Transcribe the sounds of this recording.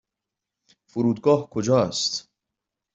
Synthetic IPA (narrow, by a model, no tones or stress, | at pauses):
foɾuːd̪̚ɡɒːhkʰod͡ʒɒːæst̪